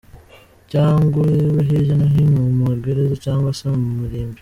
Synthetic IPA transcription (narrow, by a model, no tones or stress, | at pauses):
caːŋɡuɾeβeɦeʒanaɦiɲomuɾɡeɾezecaːŋɡwasamumuɾiːmbi